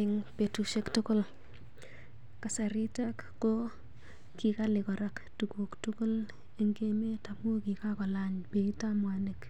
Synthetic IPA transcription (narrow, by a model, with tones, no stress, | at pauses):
ɪŋpe˨tu˨ʃe˦ktʊ˦ko˦l | ka˨sa˨ɾi˦ta˦kːo˦ | ki˨ka˦lɪ˨kɔ˨ɾa˦ktu˨ku˨ktʊko˦l | e˦ŋɡe˦me˦ta˨mu˦ki˨ka˦kɔ˨la˦ɲpe˨i˦ta˦mwanek